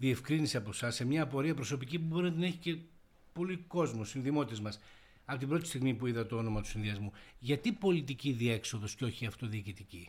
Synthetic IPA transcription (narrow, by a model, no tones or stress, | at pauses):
ðie̞fkɾiniseɐposɐsemɲɐːpo̞ɾiɐpɾo̞so̞picipubo̞ɾinɐt̪enɐe̞çice̞ | po̞liko̞zmossinðimot̪t̪ezmɐs | ɐpo̞t̪ibɾo̞t̪i̥st̪iɣmipuiðɐt̪o̞o̞no̞mɐt̪u̥sinðiɐzmuʝɐt̪ipo̞lit̪̬iciðie̞kso̞ðo̞sceo̞çiɐft̪o̞ðiːcit̪ici